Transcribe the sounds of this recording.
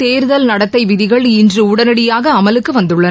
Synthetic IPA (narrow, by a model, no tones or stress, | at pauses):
t̪eːɾɯðɐlnɐɽɐt̪ːɐɪʋɪðɪɣɐɭɪndrɯʊɽɐnɐɽɪjaːɣɐːmɐlɯkkːɯʋɐnd̪ɯɭːɐn